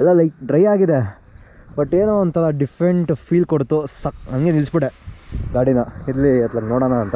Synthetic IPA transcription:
ɛlːɐlɐɪk̚ɖɾɐjaːɡid̪e | bɐʈːeːnuont̪ʰɐlɐɖifʰɾeɳʈpʰiːlkoɽt̪usɐkɐnɡenilsbiɽeɡ̪aːɽinɐid̪liɐt̪lɐɡnoːɽanaːnt̪ɐ

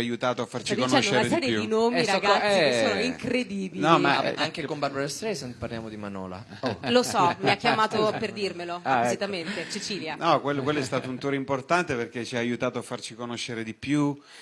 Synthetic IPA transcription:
ajut̪aːt̪oafːart͡ʃid̪konaʃoueɾnasɛːɾjeud̪inoːmiɾaɡasːiesːoːnoiŋkɾed̪iːbinɔima̰aŋkekombaɾbaɾast̪ɾɛsepaɾljaːmod̪imanɔ̰ːla̰ | olosɔmiakːjamaːt̪operd̪irmeloapozit̪ament̪et͡ʃet͡ʃiːljanɔkwelːokwelːoɛst̪aːt̪ount̪oːɾeimport̪ant̪eperk̟et͡ʃiaːjut̪aːt̪oafːart͡ʃikonoʃːeɾed̪ipju

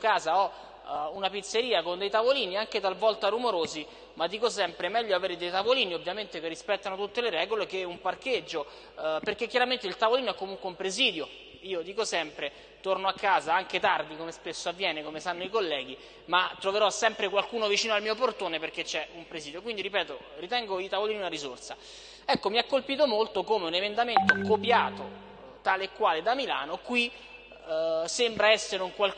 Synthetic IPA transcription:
kaːzaɔ | unapit̪sːeɾiːakond̪ejt̪avoliːniaŋk̟et̪alvɔlt̪arumoɾoːzi | mad̪ːiːkosɛmpɾemɛʎːoaveːɾed̪ejt̪avoliːniovːjament̪ekerːispɛt̪ːanot̪ut̪ːeleɾɛːɡolekeumparked͡ʒːo | perk̟ekːjaɾament̪eilt̪avoliːnoɛkːomuŋkweumpɾeziːd̪jo | iːod̪iːkosɛmpɾe | t̪ornoakːaːzaaŋk̟et̪ard̪ikomespesːoavːjɛːnekomesanːoikolːɛːɡ̟i | mat̪ːɾoveɾɔsːɛmpɾekwalkuːnovit͡ʃiːnoalmiːoport̪oːneperk̟et͡ʃːɛumpɾeziːd̪jokwind̪iɾipɛːt̪o | rit̪ɛŋɡoit̪avoliːniunaɾizort̪sa | ɛkːomiakːolpiːt̪omolt̪okomeunemend̪ament̪okopjaːt̪o | t̪aːleːkːwaːled̪amila̰ːnokwi | sembɾaɛsːeɾeuŋkwal

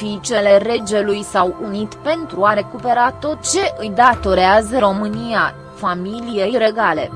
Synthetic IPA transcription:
it͡ʃe̞le̞ɾe̞d͡ʒe̞lujsawunit̪pe̞nt̪ɾuaɾe̞kupe̞ɾat̪o̞t̪t͡ʃe̞ʔɨjd̪at̪o̞ɾeazəɾo̞mɨnia | familijejɾe̞ɡale̞̰

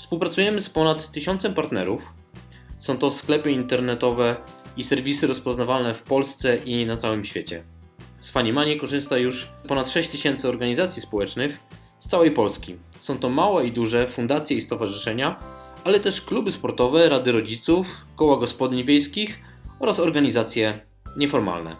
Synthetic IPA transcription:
fspuwpɾat̪sujɛmɘspɔnat̪ːɘɕɔ̃nt̪sɛmpaɾt̪nɛ̰ɾuf | sɔ̃w̃t̪ɔsklɛpɘint̪ɛɾnɛt̪ɔvɛisɛɾvʲisɘɾɔspɔznavalnɛfpɔlst̪sɛʔinat̪sawɘmɕfʲet͡ɕɛ̰ | sfaɲimaɲikɔʐɘst̪ajuʂpɔnat̪ʂɛɕt͡ɕt̪ɘɕɛnt̪sɘɔɾɡaɲizat̪sʲjispɔwɛt͡ʂnɘx | st̪sawɛjpɔlskʲi | sɔ̃w̃t̪ɔmawɛid̪uʐɛfund̪at̪sʲjɛist̪ɔvaʐɘʂɛɲaalɛt̪ɛʂklubɘspɔɾt̪ɔvɛɾad̪ɘɾɔd͡ʑit̪sufkɔwaɡɔspɔd̪ʲiɲvʲjejskʲix | ɔɾasɔɾɡaɲizat̪sʲjɛ | ɲɛfɔɾma̰lnɛ̰

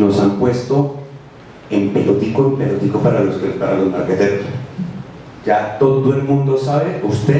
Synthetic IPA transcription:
no̞sampwe̞st̪o | empelot̪ikoempelot̪ikopaɾaloskepaɾalozmaɾket̪eɾoss | d͡ʒat̪o̞ðoe̞lmũnd̪o̞saβeust̪e

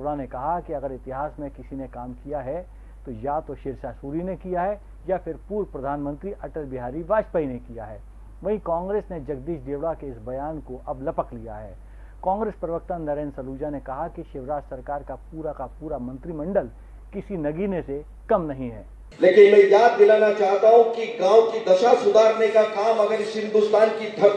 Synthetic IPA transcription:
ɽanekɐɦakiɐɡəɾɪt̪ɪɦaːsmẽkɪsinekaːmkijaɦɛ | t̪ojaːt̪oʃɪɾʃasuːɾinekijaɦɛ | japʰɪɾpuːɾpɾɐd̪ʱaːnmə̃nt̪ɾiʔɐʈəlbɪɦaːɾiʋaːʃpəinekija̰ɦɛː | ʋɐɦĩkãːŋɡɾeːsned͡ʒɐɡ̚d̪iːʃd̪eːʋɽakeɪsbɐjaːnkoʔɐblɐpəklija̰ɦɛː | kãːŋɡɾeːspɾɐʋək̚t̪ə̃nːɐɾẽːnsɐluːd͡ʒanekɐɦakiʃɪʋɾaːd͡ʒsɐɾkaːɾkapuːɾakapuːɾamɐ̃nt̪ɾimɐ̃ɳɖəl | kɪsinɐɡinese | kɐmnɐɦĩɦɛ̰ː | leːkɪnmɛ̃ːjaːd̪̚ːɪlaːnat͡ʃaːɦt̪aɦũkiɡãːõkid̪ɐʃasʊd̪ʱaːɾnekakaːmɐɡəɾɪʃɪ̃nd̪ʊst̪aːnkid̪ʱɐ

